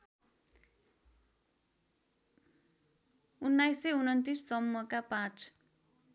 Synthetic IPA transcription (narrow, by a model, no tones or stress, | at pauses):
unːajseunʌnt̪istʌmːʌkapãt͡s